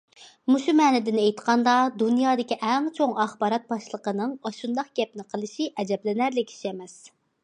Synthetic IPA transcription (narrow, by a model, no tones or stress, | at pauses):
muʃumɛːnɪd̪ɪnejt̪qɑnd̪ɑd̪unjɑːd̪ɪkʲiʔɛŋt͡ʃʰoŋɑχbɑːɾɑt̪̚bɑʃlˠəqənɨŋɑʃund̪ɑqɡ̥ʲɛp̚nɪqʰəlˠɨʃiʔɛd͡ʒɛblɪnæɾlɪkʲʰi̥ʃɛmɛs